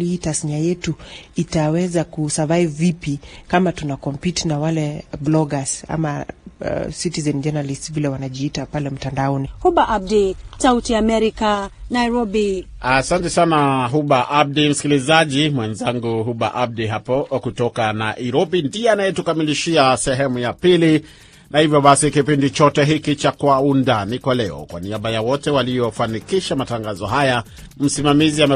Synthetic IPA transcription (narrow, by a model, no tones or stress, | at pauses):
litasɲajɛtuitawɛzakusavaivvipikamatunakɔmpitnawalɛblɔɡasa̰ma̰ | sitizɛnd͡ʒɛnalistvilɛwanaʄiːtapalɛm̩tandaɔnihubaʔab̚disautiaːmɛɾikanajɾɔbi | asantɛsanaɦuɓaʔab̚dim̩skilizaʄimwɛnzaŋɡuɦuɓa̰ʔab̚diɦapɔkutɔkanaʔiɾɔbindiɛanajɛtukamiliʃiasɛɦɛmujapili | nahivjɔɓasikipindit͡ʃɔtɛɦikit͡ʃakwaundanikwalɛɔ̰kwa̰niaɓajawɔtɛwalijɔfanikiʃamataŋɡazɔɦaja | m̩simamiziamɛ